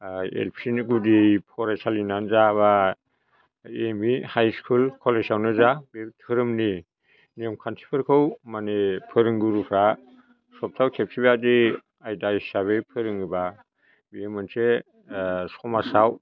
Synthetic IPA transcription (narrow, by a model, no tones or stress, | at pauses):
ḛlpʰsinɡudipʰɔɾasalinanzaβa | emihajskʰulkʰɔlesawnɯzabetʰɯɾɯmni | niɯmkʰansʰi̥pʰɯɾkʰɯwmanepʰɯɾɯŋɡuɾupʰɾa | sɔp̚tʰawkʰep̚sʰibadi | ajdajsaβepʰɯɾɯŋɯba | bijemɯnse | sɔmasaw